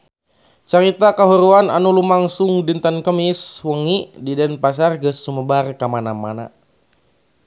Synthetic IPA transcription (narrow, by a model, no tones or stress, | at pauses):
t͡ʃaɾit̪akaɦuɾuananulumaŋsuŋdint̪ənkəmiswəŋididɛnpas̬arɡəsːuməbarkamanama̰na̰